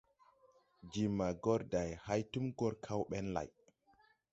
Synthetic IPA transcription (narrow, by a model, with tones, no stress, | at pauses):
d͡ʒi˨mːa˨ɡɔ˦ɾda˨jha˦jtu˦mɡɔ˦ɾkʰa˦wɓɛ˦nla̰˨j